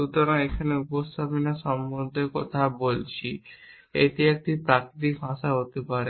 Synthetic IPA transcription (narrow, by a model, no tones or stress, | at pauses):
ut̪ɔɾaekʰaneupost̪ʰapinaʃɔmbond̪ʱekɔt̪ʰabolt͡ɕʰi | ḛʈ̪iek̚ʈipɾakɾit̪̬ikbʱãʃaɦot̪epaɾe